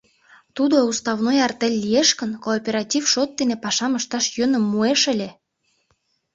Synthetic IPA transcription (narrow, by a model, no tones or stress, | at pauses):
t̪ud̪oust̪ɑβnojɑrt̪elʲːijeʃkə̆nkoːpʲeɾɑtʲifʃot̪̚ːenepɑʃɑmə̆ʃt̪ɑʃjø̆nə̆mːueʃə̆lʲĕ